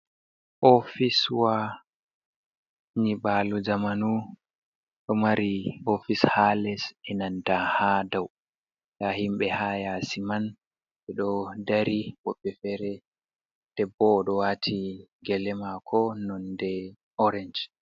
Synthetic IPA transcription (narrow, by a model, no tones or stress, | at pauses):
ʔɔfiswa | ɲibalud͡ʒamanu | ɗɔmaɾiɔfishalɛsɛnandahadaw | jahimɓɛhajasiman | ɓɛɗɔdaɾiwɔɓːɛfɛɾɛ | d̥ɛbːɔːɗɔwatʰiɡɛlɛmakʰɔnɔndɛ | ɔɾɛnd͡ʒ